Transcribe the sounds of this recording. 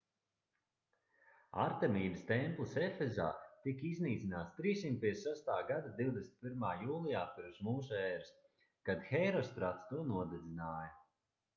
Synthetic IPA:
a̰ɾt̪ɛmiːbəst̪ɛmplˠisefɛza̰ːt̪ikizniːt̪inaːt̪st̪ɾiːsʲimt̪̚pʲiɛssast̪aːɡad̪ad̪iwd̪esʲn̥ʲt̪pʲiɾmaːjuːlˠijaːpiɾsmuːsuɛːɾs | kad̪xɛjɾɔst̪ɾat̪st̪uɔnuɔd̪ɛd̪zinaːjɐ

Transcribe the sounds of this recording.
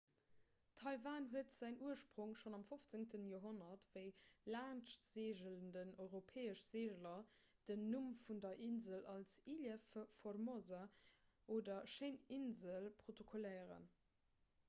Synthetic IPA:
tʰɑɪvaːnɦuətz̥æɪŋuɐʃpʁ̥uŋʃonɑmfoft͡səŋtənjoːɦonɐtvəɪlaːnʃz̥eːʒələndənɔɪʁopʰɛːəʃz̥eːʒəlɐ | d̥ənːumfundɐʔinzəlɑlsilɛfformozɐ | ʔoːdɐʃəɪninzəlpʁ̥otokʰolɛɪəʁə̰n

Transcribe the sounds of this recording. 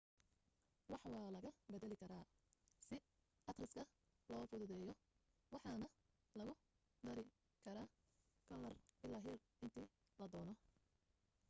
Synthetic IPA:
wɑħwɑːlɐɣɐbɛðɛlɪkʰɐɾaː | sɪ | ʔɐt̪rɪskʰɐ | lɔːfʊðʊðɛːjɔ | wɑħɑnɐ | lɐɣʊ | d̪ɐɾɪ | kʰɐɾaː | ɡ̥ɐlɐrɪlɐɦɪr | ɪnt̪ʰiː | lɐd̪ɔːnɔ

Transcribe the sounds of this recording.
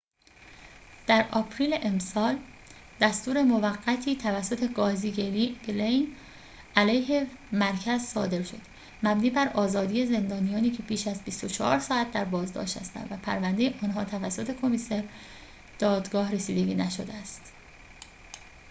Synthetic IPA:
d̪̥æɾʔɒːpʰɾiːleʔemsɒːld̪̥æst̪uːɾe̞mo̞væɢːæt̪ʰiːt̪ʰævæsːo̞t̪ʰe̞ɡɒːziːeelejn | ælæjɦe̞mæɾcʰæzsɒ̰ːd̪e̞ɾʃo̞̰d̪̥ | mæbniːbæɾɒːzɒːd̪iːje̞ze̞nd̪ɒːnijɒːniːcʰe̞biːʃæzbist̪o̞t͡ʃʰɒhɒ̰ːɾsɒːæt̪̚d̪æɾbɒːzd̪ɒ̰ːʃt̪hæ̰st̪æ̰nvæpʰæɾvænd̪e̞jeʔɒːnɦɒːt̪ʰævæsːo̞t̪ʰe̞kʰo̞miseɾ | d̪̥ɒːd̪ɡɒːhre̞siːd̪eɟiːnæʃo̞̰d̪eæst̪

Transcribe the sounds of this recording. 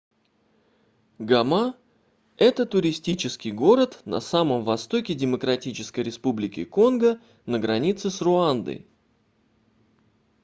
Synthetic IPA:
ɡɐma | ɛt̪ət̪ʊɾʲɪsʲtʲit͡ɕɪskʲɪjɡo̞ɾət̪nɐ̰saməmvɐst̪o̞kʲɪdʲɪməkɾɐtʲit͡ɕɪskəjɾʲɪspublʲɪkʲɪ̰ko̞nɡə | nəɡɾɐnʲit̪sɨsrʊand̪ə̰j

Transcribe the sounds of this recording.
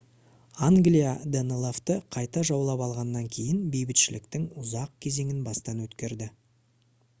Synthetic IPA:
aŋɡlʲijad̪enelˠoft̪əqʰɑjt̪ɑʒɑwlˠɑpɑlˠʁɑnːɑŋkʲʰe̞jɪnbe̞jbɪt̪ʃɪlɪk̚t̪ɪŋʊzɑq̚kʲʰe̞ze̞ŋɪnbɑst̪ɑnwɵt̪kʲe̞ɾd̪ɪ

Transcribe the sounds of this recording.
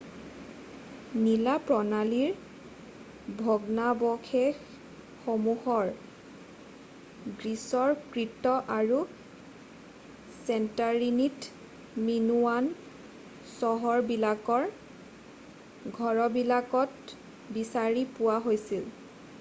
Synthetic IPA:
nilapɹɔnaliɹ | bʱɔɡnabɔkʰexː | omuhɔɹ | ɡɹisɔɹkɹitɔʔaɹu | sɛntaɹinit | minuwan | sɔɦɔɹbilakɔɹ | ɡʱɔɹɔbilakɔt | bisaɹipʊwaɦojsil

